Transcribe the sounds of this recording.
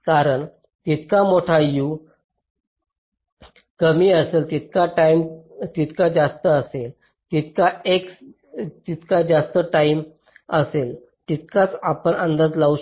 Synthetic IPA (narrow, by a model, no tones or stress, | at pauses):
kaɾəɳ | t̪it̪kamoʈʰaju | kəmiːəselt̪it̪̚kaʈaimt̪it̪kad͡ʑast̪əəsel | t̪it̪̚kaeks | t̪it̪kad͡zast̪əʈaim | əsel | t̪it̪̚kat͡sapəɳənd̪ad͡zlau